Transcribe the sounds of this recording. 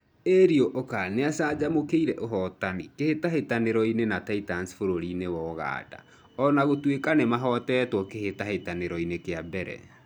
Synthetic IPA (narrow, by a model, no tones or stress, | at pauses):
eɾioʔokaneasaːd͡ʑamokeiɾɛʔoɦɔtanikehetaɦetaneɾɔinenataitansfoɾoɾinewɔɣa̰ːda̰ | ɔnaɣotwekanemaɦɔtɛɛtwɔkehetahetaneɾɔinekeabɛɾɛ̰